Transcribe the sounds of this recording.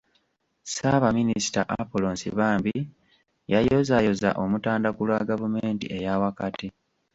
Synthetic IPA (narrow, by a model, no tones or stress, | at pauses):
saβaminisi̥taʔapoloːnsḭβaːmbi | jajo̞zajo̞za̰ʔo̞mutaːndakulwaɡavumeːntḭʔe̞jawakati